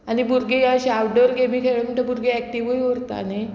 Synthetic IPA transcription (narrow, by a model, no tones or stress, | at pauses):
anibuɾɡejaɕawɖəɾɡemiːkʰeɭəməɳʈ̪əbuɾɡeɛk̚ʈiʋujoɾt̪a̰ne